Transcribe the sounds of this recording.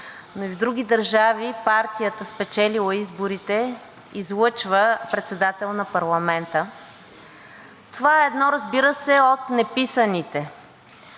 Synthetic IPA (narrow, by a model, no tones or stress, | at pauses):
noivd̪ɾuɡ̟id̪əɾʒavipaɾt̪ijət̪əspɛt͡ʃɛlilˠəizboɾit̪ɛ | izlˠɤt͡ʃvəpɾɛt̪sɛd̪at̪ɛlˠnɐpɐɾlˠɐmɛnt̪ə | t̪ovaɛɛd̪nɔɾəzbiɾəsɛot̪nɛpisənit̪ɛ